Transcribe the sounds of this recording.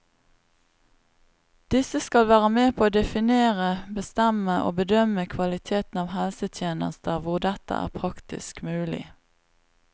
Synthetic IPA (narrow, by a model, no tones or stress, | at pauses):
d̪̥ɪsəskɑlʋæːʁəmeːpʰoːoːd̪ɛfɪneːʁəbəst̪ɛməʔo̰ːbəd̪œməkʰʋɑlɪt̪ʰeːt̪n̩ɑːʋhɛlsət̪ʰjeːnə̰st̪əʋʊʁd̪ɛt̪ə̰ʔæ̰ːʁpʰʁɑkt̪ɪ̰skmʉːlɪ̰